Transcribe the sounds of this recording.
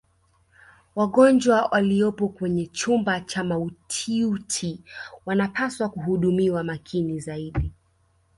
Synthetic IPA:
waɠɔnd͡ʒwawʔaliɔpɔkwɛɲɛt͡ʃumbat͡ʃamautʰiutʰiwanapʰaswakuɦuɗumiwamakʰinizaiɗi

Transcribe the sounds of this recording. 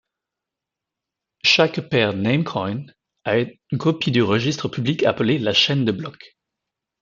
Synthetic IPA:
ʃakpɛʁnemkʰɔjn | a | kɔpid̪yʁəʒist̪χəpʰyblika̰pəlelaʃɛnd̪əblɔk

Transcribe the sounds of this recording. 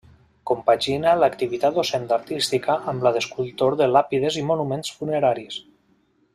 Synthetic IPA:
kompaʒinalakt̪iβit̪at̪osɛnd̪aɾt̪ist̪ikaʔːmlaðeskulˠt̪oɾðelapiðezimonumensfuneɾaɾis

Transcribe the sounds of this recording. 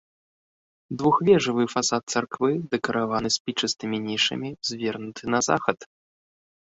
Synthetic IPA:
d̪vuxvʲɛʐɨvɨfasat̪̚t̪sarkvɨd̪ɛkɐɾavanɨsʲpʲit͡ʂɐst̪ɨmʲinʲiʂɐ̰mʲizʲvʲɛrnut̪ʰɨnɐza̰xɐt̪

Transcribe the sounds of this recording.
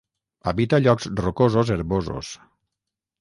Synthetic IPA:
a̰βit̪aʎɔkzrokozozeɾβozo̰s

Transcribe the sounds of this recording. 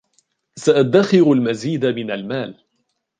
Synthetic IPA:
saʔad̪ːaxɪɾalmaziːd̪amɪnalmaːl

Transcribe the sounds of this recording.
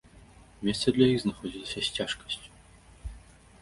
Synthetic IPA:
mʲest̪səd̪lʲɐjixznɐxɔdʲilsʲɐsʲtʲaʂkə̥sʲtʲ

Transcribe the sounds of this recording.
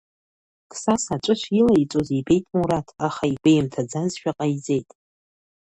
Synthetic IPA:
kʰʼsasat͡ʃʷʼɨʃʷʰilait͡sʼozebe̞jtʼmuɾatʰaχaibejmtʰad͡zazʃᶣaqʼajid͡ze̞jtʼ

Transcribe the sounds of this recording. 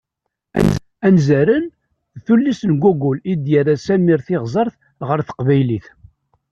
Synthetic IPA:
ænzæɾən | ðθulːisənɡʷuɡulid̪jaɾasæmiɾθɪʁzˤəɾˤθ | ʁəɾθə̥qvæjliθ

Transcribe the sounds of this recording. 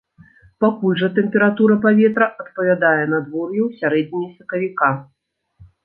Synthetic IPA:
pakulʲʐɐt̪ɛmpʲɛɾat̪uɾɐpavʲɛt̪ɾɐʔɐt̪̚pɐvʲad̪ajɛnɐd̪vɔrjɛwsʲaɾɛd͡zʲnʲijɐsʲɐkɐvʲika

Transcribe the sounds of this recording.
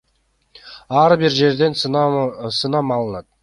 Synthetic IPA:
ɑɾbiɾd͡ʒe̞ɾd̪e̞n | sɯnɑmɑlˠənɑt̪̚

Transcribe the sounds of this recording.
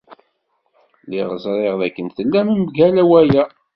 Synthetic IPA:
liʁəzˤɾˤeʁðækːənθəlːæməmɡælæwæjæ

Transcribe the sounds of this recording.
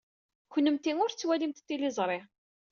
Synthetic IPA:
kʷənːəmt̪iŋʊɾt͡sːwælimt̪t̪ːilɪzˤɾˤɪʁ

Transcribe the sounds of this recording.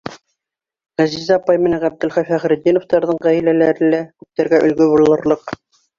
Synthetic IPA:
ʁæzizɑpɑjmɘ̆næɴʁæb̚d̪ɘlχæjfæχɾɘ̆d̪ːinoft̪ɑɾðɤɴʁæjɘ̆lælæɾɘ̆lækʉp̚t̪æɾɡæʔɵ̆lɡɵbulˠɤ̆ɾlˠɤq

